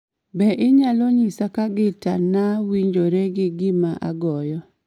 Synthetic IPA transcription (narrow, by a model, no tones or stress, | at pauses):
bɛʔɪɲalɔɲisakaɡɪta̰nawiɲd͡ʒoɾeɡɪɡimaʔa̰ɡɔjɔ